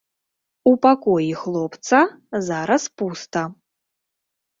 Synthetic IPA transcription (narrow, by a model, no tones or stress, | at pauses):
upakɔjixlˠɔpt̪sɐ | zaɾɐspust̪ɐ